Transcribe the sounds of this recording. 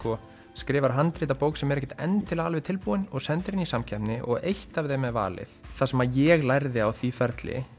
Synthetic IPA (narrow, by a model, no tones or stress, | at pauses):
kɔ | skɾɪːvaɾ̥ɦant̪ɾiːt̪̬apoːwksɛmɛɾɛhcɛt̪ɛ̰nt̪ʰːɪlaalvɪt̪ʰɪlpuːɪnɔɣsɛnt̪ɪɾɪnisamcʰɛhpnɪʔɔɣejht̪avθejmɛva̰ːlɪ̰θθasɛmajɛɣlajɾðɪawθvifɛɾt̪lɪ̰